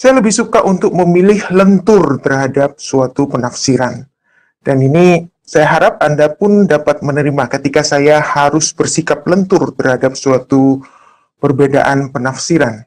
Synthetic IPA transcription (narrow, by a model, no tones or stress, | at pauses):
sajaləbɪhsukaʔunt̪ʊk̚məmilɪhlənt̪ʊrt̪ərhadap̚suat̪upənafsiɾan | d̥anini | sajaɦaɾap̚andapʊndapat̪̚mənəɾimakət̪ikasajahaɾʊsbərsikap̚lənt̪ʊrt̪ərhadap̚suat̪u | pərbeda̰ʔanpənafsiɾan